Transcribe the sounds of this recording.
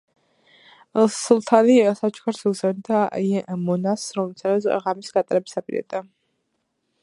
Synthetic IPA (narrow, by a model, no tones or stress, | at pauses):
slˠt̪ʰalisat͡ʃʰkʰaɾsuɡzɛnd̪aɛʔmɔnasɾɔmɛlsʰaɾɛʁamisɡat̪ʼaɾɛbisapʼiɾa̰d̪ʼa